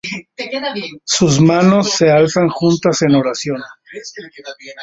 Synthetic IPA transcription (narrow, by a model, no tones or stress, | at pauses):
suzmano̞sːe̞alsaŋxunt̪ase̞no̞ɾasjo̞n